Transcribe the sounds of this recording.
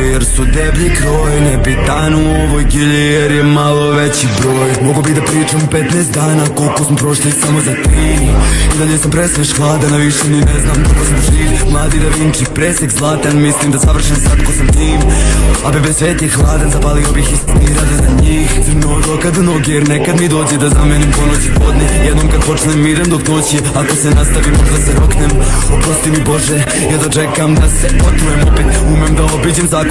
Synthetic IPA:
jeɾsud̪ebʎikɾoːjnebit̪anuoʋoːjɡeʎeeɾjemalˠo̞ʋe̞t͡ɕibɾo̞ːjmoɡobid̪apɾiːt͡ʃamupe̞t̪naest̪d̪aːnako̞lˠkosmopɾo̞ʃt̪alisamozat̪iːmid̪aʎesampɾesʋeʃxlˠaːd̪anaʋiʃemineznamkolkosmoʒiːlʲimlˠaːd̪id̪aʋint͡ʃipɾeːsekzlˠaːt̪anmislimd̪asaʋr̩ʃensak̪kosamt̪iːmabibesʋe̞ːt̪exlˠaːd̪anzapalio̞bixisniːɾalizaɲiːxnoɾokad̪noɡejeɾnekad̪mid̪o̞ːd͡ʑed̪azamenimpo̞not͡ɕipod̪nejed̪noːmkad̪̚po̞t͡ʃnemːid̪emd̪okno̞ːt͡ɕi | ako̞senast̪aʋimod̪aseɾoknemopɾost̪imibo̞ʒe | jod̪at͡ʃe̞kamd̪asepot̪ujemopeːt̪umemd̪ao̞bid͡ʑemzaːk

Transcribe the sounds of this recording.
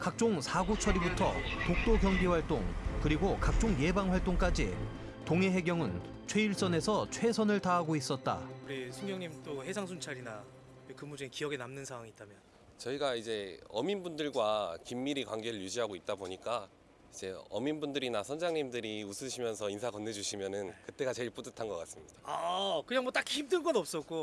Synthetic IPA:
kak̚t͡ɕ͈oŋsʰaɡot͡ɕʰʌɾibutʰʌ̰tok̚t͈oɡjʌŋɡiwaɭt͈oŋkɯɾiɡokak̚t͡ɕ͈oŋje̞baŋɸwaɭt͈oŋk͈ad͡ʑi | toŋe̞ɦe̞ɡjʌŋɯn | t͡ɕʰwe̞iɭs͈ʌne̞sʰʌt͡ɕʰwe̞sʰʌnɯɭtaɦaɡois͈ʌt̚t͈a̰kuɾisʰuŋɡjʌŋɲimt͈ohe̞sʰaŋsʰunt͡ɕʰaɾina | ekɯmːud͡ʑinkijʌɡe̞namnɯnsʰaŋwaŋiːt͈amjʌn | t͡ɕʌiɡaid͡ʑe̞ʌminbundɯɭɡwakimːiɾikwaŋɡe̞ɾɯɭjud͡ʑiɦaɡoit̚t͈aboɲik͈a | id͡ʑe̞ʌ̰minbundɯɾinasʰʌnd͡ʑaŋɲimdɯɾiusʰɯɕʰimjʌnsʰʌinsʰakʌnːe̞d͡ʑuɕʰimjʌnɯnkɯt͈e̞ɡat͡ɕe̞iɭp͈udɯtʰanɡʌk͈as͈ɯmɲid̥aakɯɲaŋmwʌt͈akʰihʰimdɯɭɡ͈ʌnʌp̚s͈ʌk͈o

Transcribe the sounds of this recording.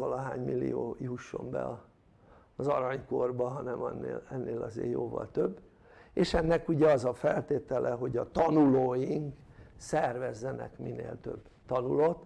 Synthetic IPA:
ʋɒlɒɦaːɲmilːḭjoːuʃːo̞̰mbɛ̰ɒ | zɒɾɒɲko̞rbɒɦɒnɛmɒnːḛːlɛnːeːlɒzḛːrjoːvɒ̰lt̪øbː | eːʃɛnːɛkuɟɛɒzɒfɛlt̪eːt̪ɛlʔɛɦo̞ɟɒt̪ɒnuloːjiŋksɛrvɛzːɛnɛ̰kminḛːlt̪ø̞̰b | t̪ɒnulot̪

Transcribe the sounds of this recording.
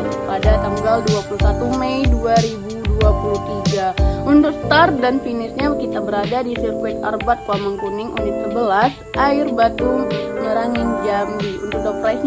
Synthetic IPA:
padat̪aŋɡalduapulusat̪umɛjduaɾibuduapuluht̪iɡaunt̪ʊk̚st̪ar̚danfinɪsɲakit̪abəɾadadisirkuɛt̪̚a̰rbat̪̚kamaŋkunɪŋunʊk̪̚səbəlas | ʔaɪrbat̪uməɾaŋɪnd͡ʒambiunt̪ʊk̚dɔpɾais

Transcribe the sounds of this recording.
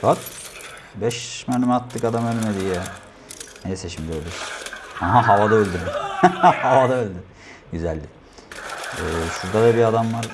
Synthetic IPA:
kʰot̪ | bɛʃmanimɛat̪ʰːɯkad̪amønymɛd̪ijɛ | nejɛseʃimd̪ɛølʲd̪yhaɦaɦavad̪aølʲd̪yɾd̪ihavad̪aølʲd̪i | ɟyzælʲːi | ɛːsɯzd̪avɛbiad̪amvaɾ

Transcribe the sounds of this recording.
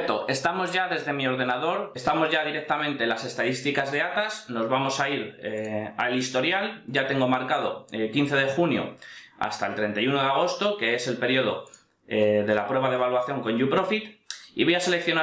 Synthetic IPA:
t̪o̞e̞st̪amo̞zʝaðe̞zðe̞mio̞ɾð̞e̞naðo̞ɾest̪amo̞zʝaðiɾe̞k̚t̪amẽ̞nt̪e̞ːlase̞st̪aðist̪ikazðe̞at̪asno̞zβamo̞saiɾea̰elist̪o̞ɾjalɟ͡ʝat̪e̞ŋɡo̞maɾkað̞o̞ekin̟θe̞ð̞e̞xunjo̞̰a̰st̪aelt̪ɾe̞nt̪ajuno̞ðe̞aɣ̞o̞st̪o̞ke̞ese̞lpe̞ɾjo̞ð̞o̞̰ | eðe̞lapɾwe̞βaðeβalwaθjo̞ŋkõ̞ɲʝupɾo̞fit̪ḭβo̞jase̞le̞kθjo̞na

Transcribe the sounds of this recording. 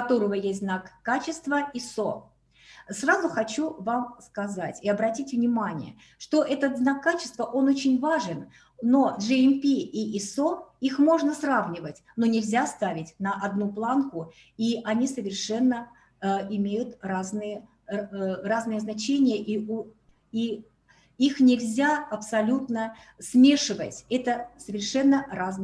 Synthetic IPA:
ɐt̪o̞ɾəvəjesʲtʲznakːat͡ɕɪst̪vəiso | srazʊxɐt͡ɕuvamskɐzatʲɪɐbɾɐtʲitʲvnʲɪmanʲɪ̰jə̰ | ʂt̪o̞ʔɛt̪ət̪znakːat͡ɕɪst̪vəʔo̞no̞t͡ɕɪnʲvaʐɨn | no̞ʐɨɪmpʲiisoixmo̞ʐnəsravnʲɪvətʲno̞nʲɪlʲzʲast̪avʲɪtʲnəʔɐd̪nuplˠankʊ | iʔɐnʲisəvʲɪrʂɛnːə | ɪmʲejʊt̪raznɨjə | raznɨjəznɐt͡ɕenʲɪjəʔi | i | ixnʲɪlʲzʲaɐpsɐlʲut̪nə | smʲe̞ʂɨvə̰tʲɛt̪əsəvʲɪrʂɛnːərazn

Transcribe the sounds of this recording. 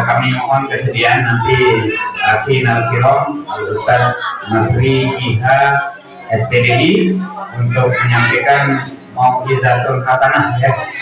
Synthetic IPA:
kamimɔɦɔnkəsədianːant̪iafinarfilɔŋust̪asmasɾipiɦa | ɛspedeʔiunt̪ʊk̚məɲampɛkan | mak̚dizat̪ʊnɦasanahja

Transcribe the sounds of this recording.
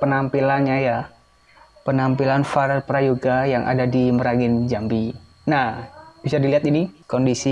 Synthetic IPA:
pənampilanɲaja | pənampilanfarpɾajuɡajaŋʔa̰dadiməɾaɡɪnd͡ʒambi | nahb̥isadiliɦat̪inikɔndisi

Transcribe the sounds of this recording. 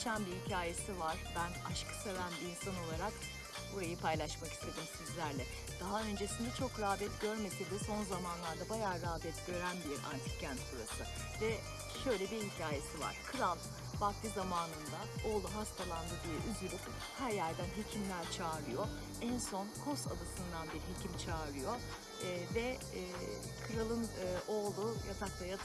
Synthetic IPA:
t͡ʃʰænbihicʰaːje̞sivaɾ̥bænaʃkʰɯ̥sevænbiinsano̞lˠaɾak | buɾajɯpʰajlˠaʃmaki̥st̪ʰed̪ɯmsizlʲæɾlʲɛ | d̪̥aɦaø̞nd͡ʒe̞sind̪ɛt͡ʃʰo̞kɾaːbɛt̪ɟø̞ɾme̞sid̪iso̞nzamanlˠaɾd̪abajaːɾaːbɛt̪ɟ̥ø̞ɾænbiɾa̰nt̪ʰɯ̥cʰænt̪suɾasɯ | vɛ | ʃø̞jlʲɛbiicʰaːje̞siva̰ɾ̥kʰɯɾalˠ | bakd̪izamaːnɯnd̪ao̞ːlˠuɦast̪ʰalˠand̪ɯɾd̪ɯʔyzylʲyp | hæɾjælʲd̪ænɦe̞cʰimlʲæɾt͡ʃʰaːɾˠɯjo̞ | ænso̞nkʰo̞sa̰d̪asɯnd̪anbiɾiɦecʰimt͡ʃʰaːɾlˠɯjo̞ | vɛː | kʰɯɾalˠɯnːʔo̞ːlˠujat̪akt̪ʰˠaja

